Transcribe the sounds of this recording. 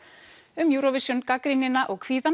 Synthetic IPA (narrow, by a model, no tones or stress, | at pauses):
ʏmjuːɾɔvɪsjɔnkakɾinɪnaʔɔɣkʰv̥iːðan